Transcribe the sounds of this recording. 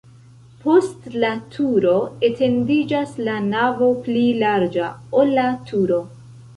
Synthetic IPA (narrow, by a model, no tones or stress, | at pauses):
pʰo̞stlatʰuɾo̞e̞tʰe̞ndid͡ʒaslanavo̞plilaɾd͡ʒaolːatʰuɾo̞